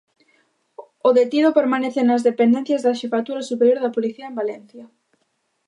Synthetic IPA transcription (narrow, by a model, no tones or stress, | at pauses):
ʊðet̪iðopeɾmaneθɪnɐzðepend̪ɛ̃n̟θjɐzðaʃifat̪uɾɐsupeɾjoɾðɐpoliθiɐembalɛn̟θjɐ